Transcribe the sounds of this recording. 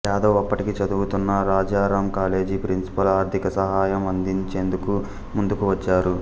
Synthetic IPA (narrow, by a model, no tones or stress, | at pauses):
ɛːd̪o̞ːɐpːɐʈikit͡ʃɐd̪uɡut̪unːɐɾaːd͡ʒaːɾaːmkaːle̞ːd͡ʒipɾinsi̥pɐlaːɾt̪ʰikɐsɐɦaːjɐmɐnd̪iɲt͡ʃe̞ːnd̪uku | mund̪ukuʋɐt͡ʃːaːɾu